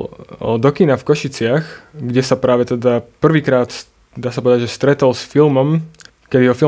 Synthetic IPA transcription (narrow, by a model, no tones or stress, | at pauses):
ɔ̰d̪ɔkinafkɔʃit͡sɪaxɡɟɛsapɾaːʋɛt̪ɛd̪apr̩ʋiːkɾaːt̪s | d̪aːsapɔʋɛd̪aɟʒɛst̪ɾɛt̪ɔlsfilmɔm | kɛd̪iɦɔfi